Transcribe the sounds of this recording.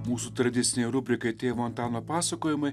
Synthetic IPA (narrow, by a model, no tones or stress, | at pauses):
muːsut̪ɾɐd̪ʲɪt̪sʲɪnʲɛɪɾʊbʲɾʲɪkɐɪt̪ʲeːʋoːnt̪ɑːnoːpɑːsɐkoːjɪmɐɪ